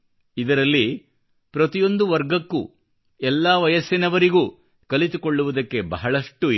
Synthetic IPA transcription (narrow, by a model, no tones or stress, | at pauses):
id̪ɐɾɐlːi | pɾɐt̪ijo̞nd̪uʋɐɾɡɐkːṵ | ɛlːaːʋɐjɐsinɐʋɐɾiɡuː | kɐlit̪ukoɭːuʋud̪ɐkːe̞bɐɦɐɭɐʂʈu